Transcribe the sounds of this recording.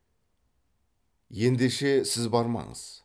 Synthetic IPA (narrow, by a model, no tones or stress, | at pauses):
je̞nd̪eʃe̞sɪzbɑɾmɑ̰ɴə̰z̥